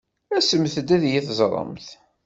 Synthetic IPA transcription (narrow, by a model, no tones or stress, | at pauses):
æsəmθəd̪æðjæθzˤɾˤə̰mθ